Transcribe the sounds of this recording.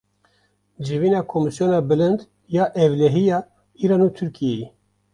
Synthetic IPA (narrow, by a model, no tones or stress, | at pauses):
d͡ʒiviːnɑːkʰomisjoːnɑːbɨlɨnd̪ | jɑːʔɛvlɛɦijɑː | iːɾɑːnuːt̪ʰuɾkʰijeji